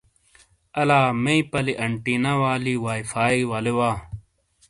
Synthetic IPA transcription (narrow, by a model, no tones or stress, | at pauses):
ɐlaːmeipɐliʔɐɳʈinɐwaːliwaːjfaːiwɐlewaː